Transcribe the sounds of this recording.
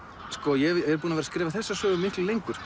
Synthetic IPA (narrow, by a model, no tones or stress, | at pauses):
skɔjɛɛɾ̥p̬uːnavɛɾaskɾeːvaθɛsːasœːɣʏmːɪhk̪lɪlejŋkʏɾ̥